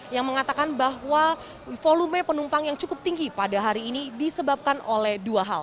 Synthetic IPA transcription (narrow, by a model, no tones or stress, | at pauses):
jaŋməŋat̪akanbaɦwa | folumɛpənumpaŋjaŋt͡ʃukʊp̚t̪iŋɡipadaɦaɾiːnidisəbap̚kanolɛhduaɦa̰l